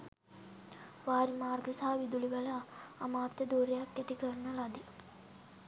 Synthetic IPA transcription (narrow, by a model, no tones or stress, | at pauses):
ʋaːɾimaːrɡəsaɦaʋid̪ulibɐlaːmaːt̪jəd̪uːɾejakːæt̪ikərnəlad̪i